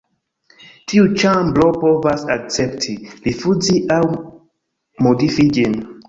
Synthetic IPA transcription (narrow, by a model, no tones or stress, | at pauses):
tʰiut͡ʃamblopovasak̚t͡septʰilifuziʔaw | modifid͡ʒin